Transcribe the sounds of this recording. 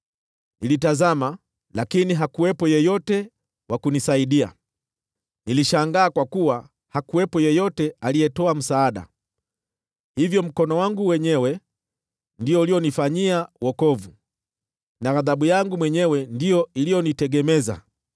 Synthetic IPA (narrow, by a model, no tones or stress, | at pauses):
nilitazama | lakiniɦakuwɛpɔjɛjɔtɛ | wʔakunisaiɗia̰ | niliʃaŋɡaːkwakuwa | hakuwɛpɔjɛjɔtɛaliɛtɔam̩saːɗa̰ | hivjɔm̩kɔnɔwaŋɡuwɛɲɛwɛ | ndiɔulijɔnifaɲiawɔkɔvu | naɣaðaɓujaŋɡumwɛɲɛwɛndijɔilijɔnitɛɡɛmɛza̰